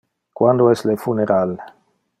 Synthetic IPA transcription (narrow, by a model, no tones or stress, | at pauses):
kwand̪oestlefuneɾal